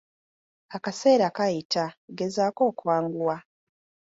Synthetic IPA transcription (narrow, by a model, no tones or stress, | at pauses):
akase̞ːɾakajitʰaɡe̞zaːko̞ːkuwaːŋɡulwa